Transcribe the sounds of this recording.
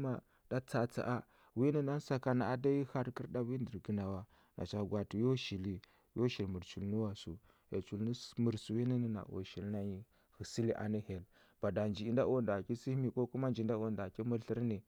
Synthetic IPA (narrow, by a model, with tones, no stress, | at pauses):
ma˨ | d̥a˦t͡sa˨t͡sa̰˨ʔa˦ | wi˦ni˦na˦n˦sa˦ka˨na˨a˨da˦ji˦ha˦ɾki˦ɾda˦wi˦ndi˨ɾɡə˦na˨wa˦ | nʔa̰˨t͡ʃa˨ɡwa˨ti˨jo˦ʃi˨li˦ | jo˦ʃi˨lmu˨ɾt͡ʃu˨lnu˦wa˨su˨ | jḛ˨t͡ʃu˨lni˦mu˨ɾsu˨wi˦ni˦ni˦na̰˨o̰˨ʃi˨lna˦ɲi˦ | hi˨si˦li˦ʔa̰˨ni˦he˨l | b̥a˨da˨nd͡ʒi˨i˨nda˦o˦nda˨ki˦si˦mi˨ko˦ku˦ma˦nd͡ʒi˨˦da˦o˦˨nda˨ki˦mu˦ɬi˦ɾni˨